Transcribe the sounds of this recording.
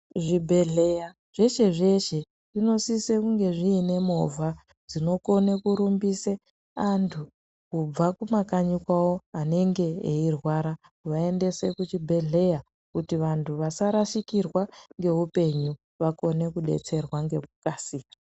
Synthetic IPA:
ʐibʱeɮeja | ʐ̥e̞ʃe̞ʐe̞ʃe̞ | ʐino̞sisekuŋɡe̞ʐiːne̞mo̞vʱa | d͡zino̞ko̞ne̞kuɾumbise | antʰu | kub͡vakumakaɲikwawo̞ane̞ŋɡe̞ḛirwaɾa | kuʋae̞nde̞se̞kut͡ʃibʱe̞ɮe̞ja | kutiʋantʰuʋasaɾaʃikirwaŋɡe̞ɦupe̞ɲu | ʋako̞ne̞kuɗe̞̰t͡se̞rwaŋɡe̞k̚ukasiːka

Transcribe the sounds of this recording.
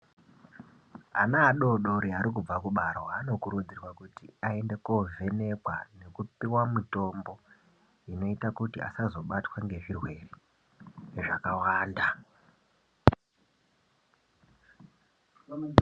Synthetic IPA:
a̰naːɗo̞ɗo̞ɾiaɾik̬ub͡vakuɓaɾoano̞kuɾud͡zirwakutḭae̞nde̞kove̞ne̞kwane̞kupiwamito̞mbo̞ | ino̞itakutia̰sazo̞ɓatwaŋɡe̞ʐirwe̞ri | ʐakawaːnda

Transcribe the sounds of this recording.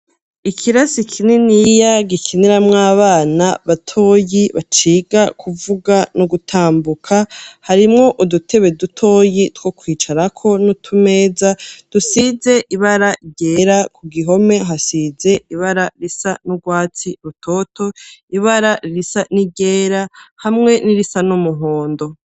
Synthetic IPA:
ikʰiɾasikʰinenijaɡikʰiniɾamŋaːβaːnaβatʰo̞ːjiβat͡ʃiɡakʰuvuɡanuɡutʰaːmbukʰahaɾimŋo̞ʔudutʰe̞βe̞dutʰo̞ːjitwo̞kwiːt͡ʃaɾakʰo̞nutʰume̞ːzad̥usize̞ʔiβaɾaɟe̞ɾakuɡiɦo̞me̞ɦasize̞iβaɾaɾisanuɡwaːt͡siɾutʰo̞ːtʰo̞iβaɾaɾiɾisaniɟeːɾahamŋe̞niɾisanumuɦoːndo̞

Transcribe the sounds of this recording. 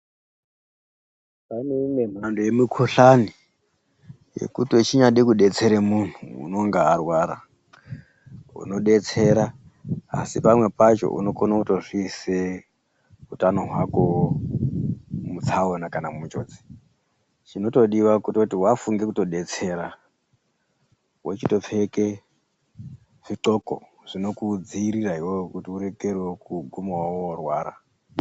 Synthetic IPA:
paineimem̤andojemikʰoɬani | je̞̰kutot͡ʃiɲaɗekuɗe̞t͡se̞ɾemun̤ṵːno̞ŋɡaːrwaːɾa | ṵno̞ɗe̞t͡se̞ɾa | a̰sipamwe̞pat͡ʃo̞̰ʔṵno̞konauto̞ʐise | utano̞ɦwako̞ | mut͡sʰaonakanamut͡ʃo̞̰ːd͡zi̥ | t͡ʃino̞to̞ɗiwakutotiwafuŋɡe̞kuto̞ɗe̞t͡se̞ːɾa | wet͡ʃito̞p͡fe̞ke | ʐ̥iǃo̞ko̞̰ | ʐ̥ino̞kud͡ziːɾiraiwokutiuɾe̞kerwekuɡʱumowaworwaːɾa̰

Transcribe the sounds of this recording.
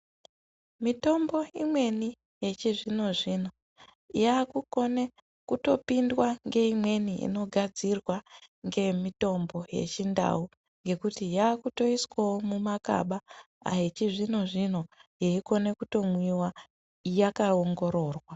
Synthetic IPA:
mito̞mbo̞imwe̞ni | je̞t͡ʃiʐino̞ʐina | jaːkuko̞ne | kuto̞̰pindwaŋɡe̞imwe̞niʔḭno̞ɡʱad͡zirwaŋɡe̞mito̞mbo̞je̞̰t͡ʃinda̰u | ŋɡe̞kutijaːkuto̞iswawomumaka̰ɓa | a̰ɦet͡ʃiʐino̞ʐin̤o̞jeiko̞ne̞kuto̞mwiwa | jakaoŋɡo̞ɾo̞ːrwa

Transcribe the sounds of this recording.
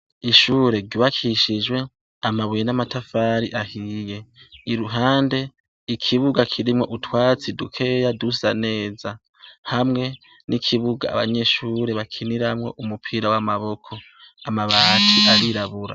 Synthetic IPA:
iʃuːɾe̞ɡɟuβakʰiʃid͡ʒwe̞ | amaβujenamatafaːɾiʔahiːje̞iɾuɦaːnde̞ | ikʰiβuɡakʰiɾimŋo̞ʔutwaːt͡sidukʰe̞jadusane̞ːza | hamŋe̞ | nʔikʰiβuɡa̰ːβa̰ɲe̞ʃuːɾe̞βakʰiniɾamŋe̞̰ʔumupʰiːɾawamaβo̞kʰo̞ | amaβaːtʰiʔaɾiɾaβuɾa̰

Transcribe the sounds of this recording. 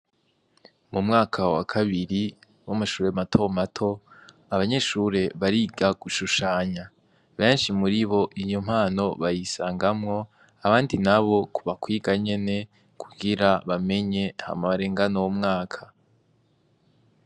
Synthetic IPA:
mumŋaːkʰawa̰kʰaβiɾi | wamaʃuːɾe̞matʰo̞matʰo̞ | aβaɲe̞ʃuɾe̞βaɾiːɡaɡ̥uʃuʃaːɲa | βe̞ːnʃimuɾiβo̞ʔijom̥haːno̞βajisaːŋɡamŋo̞ | aβaːndinaβo̞kuβakwiːɡaɲe̞ne̞ | kʰuɡiɾaβame̞ɲe̞ha̰maβaɾe̞ːŋɡanowumŋaːkʰa

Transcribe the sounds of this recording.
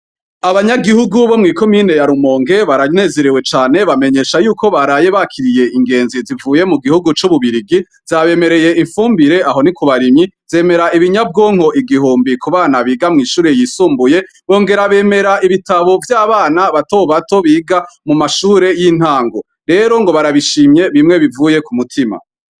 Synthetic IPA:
aβaɲaɡihuɡuβo̞mŋiːko̞miːne̞jaɾumo̞ːŋɡe̞βaɾane̞ze̞ɾiwe̞t͡ʃaːne̞βame̞ɲe̞ʃajuːko̞βaɾaje̞βakʰiɾije̞ʔiŋɡe̞ːnzizivuːje̞muɡihuɡut͡ʃuβuβiɾiɡi | z̥aβe̞me̞ɾe̞je̞ʔiɱfuːmbiɾe̞ʔaɦo̞nikuβaɾimɲiz̥e̞ːme̞ɾaʔiβiɲabɡo̞ːŋ̥ho̞ʔiɡiɦuːmbikuβaːnaβiːɡamŋiːʃuːɾe̞jisuːmbuje̞ | βo̞ːŋɡe̞ɾaβe̞me̞ɾaʔiβitaβo̞vjaːβaːnaβato̞βato̞βiːɡamumaʃuːɾe̞jin̥haːŋɡo̞ | ɾe̞ɾo̞ŋɡo̞βaɾaβiʃiːmje̞βimŋe̞βivuje̞kumutʰima̰

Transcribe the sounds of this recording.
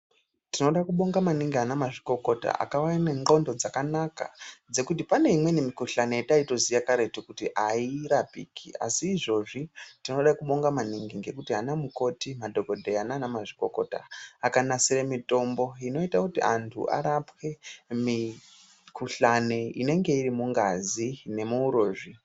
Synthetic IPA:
tino̞ɗakuɓo̞ŋɡamaniŋɡiɦanamaʐiko̞ko̞ta̰ʔa̰kawaineŋɡo̞ndo̞d͡zakanaka̰d͡ze̞kutipane̞imwe̞nemikuɬane̞etaito̞zijakaɾetokutiʔaiɾapḭːkʰḭa̰siːʐo̞ʐitino̞ɗaikuɓo̞ŋɡamaniŋɡiŋɡe̞kutiɦanamuko̞timadʱo̞ko̞dʱe̞ananamaʐiko̞ko̞̰ta̰ːkanasiɾemito̞mbo̞ino̞itakutiʔantʰṵʔa̰ɾapwe̞mi | kʰuɬaneḭne̞ŋɡe̞iɾimuŋɡazine̞muuɾoːʐi

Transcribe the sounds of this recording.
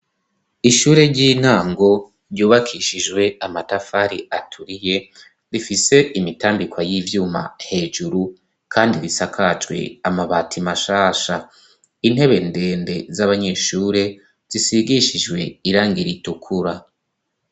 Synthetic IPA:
iʃuːɾe̞ɟiːn̥haːŋɡo̞ | ɾɟuːβakʰiʃid͡ʒɡwe̞amatafaɾiatʰuɾije̞ | ɾifise̞imitaːmbikwajivjuːma̰he̞ːʒuɾu | kʰaːndiɾisakʰat͡ʃwe̞̰amaβaːtʰimaʃaːʃa | in̥e̞βe̞nde̞ːnde̞zaβaɲeːʃuːɾe̞ | z̥isiɡiʃid͡ʒwe̞iɾaːŋɡiɾitukʰuɾa

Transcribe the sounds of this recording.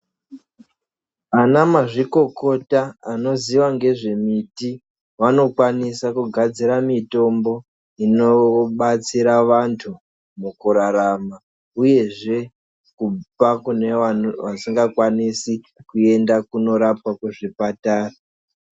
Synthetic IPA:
anamaʐiko̞ko̞taano̞ziʋaŋɡe̞ʐe̞miti | ʋano̞kwanisakuɡʱad͡ziɾamito̞mbo̞ | ino̞ɓat͡siɾaʋantʰu | mukuɾaɾama | uje̞ʐe̞ | kupakune̞ʋasiŋɡakwanisi | kue̞ndakuno̞ɾap̚akuʐipataːra

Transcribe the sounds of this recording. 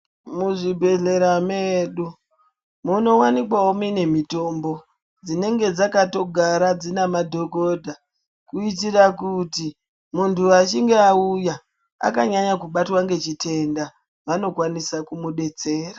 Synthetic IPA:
muʐibʱe̞ɮe̞ɾameːɗu | muno̞wanikwawomine̞mito̞mbo̞ | d͡zine̞ŋɡe̞d͡zakato̞ɡʱaɾad͡zinamadʱo̞ko̞dʱa | kuit̬irakuti | muntʰuat͡ʃiŋɡeauja | a̰kaɲaɲakuɓatwaŋɡe̞t͡ʃitʰe̞nda | ʋano̞kwanisakumuɗe̞t͡se̞ːra

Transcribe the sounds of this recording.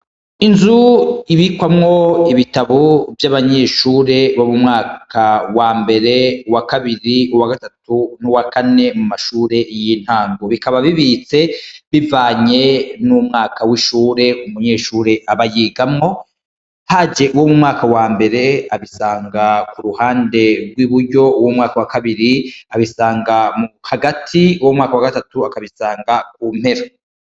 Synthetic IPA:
inzuiβikwamŋo̞iβitaβovjaβaɲe̞ʃuːɾe̞βomumŋaːkʰawaːmbe̞ɾe̞wakaβiɾiuwaɡatatunuwakane̞mumaʃuːɾe̞jiːn̥haːŋɡoβikaβaβiβit͡se̞βivaːɲe̞numŋaːkawiʃuːɾe̞umuɲe̞ːʃuːɾe̞ʔaβajiːɡamŋo̞ | had͡ʒe̞ʔuwo̞mumŋaːkawaːmbe̞ɾe̞aβisaːŋɡakuɾuhaːnde̞ɾɡwiːβuɾɟo̞uwomŋaːkawakaβiɾiaβisaːŋɡamuhaɡatʰiuwomŋaːkawaɡatatuakaβisaːŋɡak̚uːm̥he̞ɾa

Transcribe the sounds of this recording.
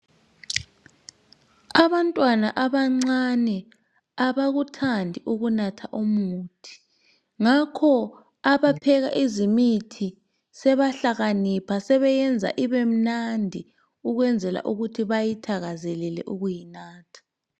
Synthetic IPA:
aβantʼwanaʔaβaŋ͡ǀanɛ | aβaɣutʰandʱiʔuɣunatʰaʔomuːtʰi̥ | ŋakʰɔ | aβapʰɛɣa̰ʔizimitʰi | sɛβaɬaɣanipʰasɛβɛjɛnd͡zʱa̰ʔiβem̩nandʱi | uɣwɛnd͡zʱɛla̰ʔuɣutʰiβajitʰaɣazɛlɛlɛ̰ʔuɣujinaːtʰḁ

